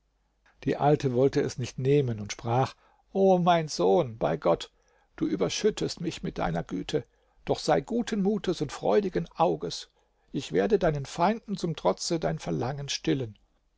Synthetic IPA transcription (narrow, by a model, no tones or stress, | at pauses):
d̥ḭːʔaltəvɔltəɛ̰snɪçtneːmənʊntʃpʁ̥aːχ | ʔoːmaɪnzoːnb̥a̰ɪɡɔt | d̥uːʔyːbɐʃʏtʰəstmɪçmɪt̚d̥a̰ɪnɐɡy̰ːtʰə | d̥ɔχz̥aɪɡuːtʰənmuːtʰəsʊntfʁ̥ɔ̰ʏdɪɡənʔaʊɡəs | ʔɪçv̥eːɐdədaɪnənfaɪndn̩t͡sʊmtʁ̥ɔt͡sədaɪnfɛɐlaŋənʃtɪlən